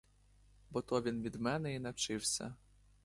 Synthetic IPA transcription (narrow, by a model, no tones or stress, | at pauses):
bɔt̪ɔvʲinvʲid̪mɛnɛinɐt͡ʂɪwsʲɐ̰